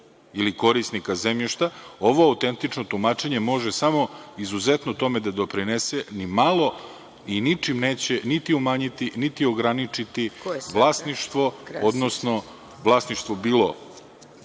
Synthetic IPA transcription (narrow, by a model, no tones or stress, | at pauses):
iliko̞ɾisnikazemʎiʃt̪ao̞ʋo̞aut̪e̞nt̪it͡ʂnot̪umaːt͡ʃe̞ɲe̞mo̞ʒesamo̞izuze̞t̪not̪o̞me̞d̪ad̪o̞pɾinesenimalˠo̞ | init͡ʂimneːt͡ɕe̞nit̪iumaːɲit̪init̪io̞ɡɾanit͡ʂit̪iʋlˠaːsniʃt̪ʋo̞od̪nosno̞ | ʋlˠaːsniʃt̪ʋobiːlˠo̰